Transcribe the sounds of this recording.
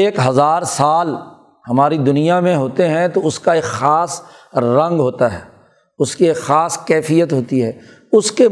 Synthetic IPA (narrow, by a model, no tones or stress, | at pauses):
eːkɦɐzaːɾsaːl | hɐmaːɾid̪ʊnijamẽɦoːt̪eɦɛ̃t̪oʊskaeːkxaːs | ɾɐ̃ŋɡɦoːt̪aɦɛː | ʊskieːkxaːskɛːfijət̪ɦoːt̪iɦɛː | ʊske